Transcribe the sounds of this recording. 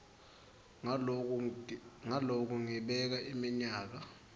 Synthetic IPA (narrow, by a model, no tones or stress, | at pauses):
ŋalok̬uŋiɓɛk̬aimiɲaːk̬a